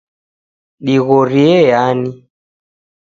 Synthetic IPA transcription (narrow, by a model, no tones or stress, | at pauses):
ɗiɣɔɾiɛjani